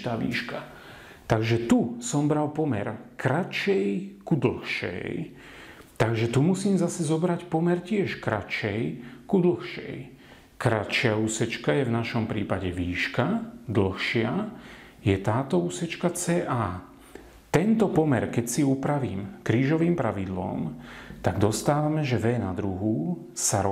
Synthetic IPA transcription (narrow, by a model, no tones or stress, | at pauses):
t̪aːʋḭːʃka | t̪aɡʒɛt̪usɔmbɾalpɔmɛ̰ɾkɾat͡ʃɛjkud̪l̩xʃɛ̰j | t̪aɡʒɛt̪umusiːmzasɛzɔbɾacpɔmɛɾcɪɛʃkɾa̰t͡ʃɛjkud̪l̩xʃɛ̰j | kɾat͡ʃɪauːsɛt͡ʃkajɛvnaʃɔmpɾiːpaɟɛʋiːʃkad̪l̩xʃɪa | jɛt̪aːt̪ɔuːsɛt͡ʃkat͡sɛːʔaː | t̪ɛnt̪ɔpɔmɛɾkɛcsiuːpɾaʋiːmkɾiːʒɔʋiːmpɾaʋid̪lɔ̰mt̪aɡd̪ɔst̪aːʋamɛʒɛʋɛnad̪ɾuɦu | saɾ